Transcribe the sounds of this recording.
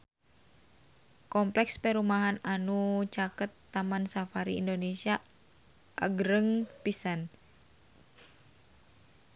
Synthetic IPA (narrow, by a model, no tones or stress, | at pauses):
kɔmplɛkspɛɾumaɦananut͡ʃakət̪ːamansafaɾḭːndonesia | ʔa̰ɡɾəŋpisan